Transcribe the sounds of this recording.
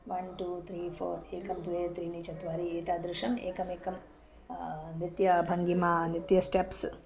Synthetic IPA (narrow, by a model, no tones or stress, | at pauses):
ʋɐnʈuːt̪ʰɾiːfʰo̰ːɾeːkɐmd̪ueːt̪ɾiːnit͡ʃɐt̪ʋaːɾieːt̪aːd̪ɾɪʃɐmḛːkɐmeːkɐm | nit̪jɐbʱɐŋɡimaːnit̪jɐsʈeps